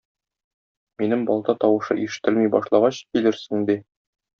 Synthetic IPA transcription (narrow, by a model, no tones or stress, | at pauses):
minɘmbɒlˠt̪ɑt̪ɒwɤ̆ʃɤ̰ʔiʃɘ̥̆t̪ɘlmijbɒʃlˠɑʁɑɕkilɘɾsɘŋd̪i